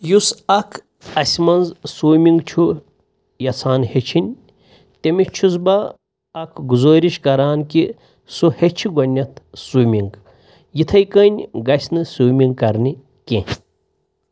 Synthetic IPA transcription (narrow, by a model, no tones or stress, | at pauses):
jusɐkʰ | ɐsʲmɐnzsuːmiŋɡt͡ʃʰu | jɐt͡sʰaːnhet͡ʃʰinʲ | t̪emit͡ʃʰuzbɐː | kʰɡuzoːɾiʃkɐɾaːnki | suhet͡ʃʰiɡɐnʲːɐt̪ʰsumʲiŋɡ | jit̪ʰɐjkɐnʲɡɐsʲnɨsuːmʲiŋɡkɐɾni | ken